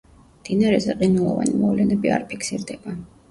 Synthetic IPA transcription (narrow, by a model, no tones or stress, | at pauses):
md̪̥inaɾɛzɛqʼinɛlˠɔva̰nimɔvlɛnɛbia̰ɾpʰikʰsiɾd̪ɛba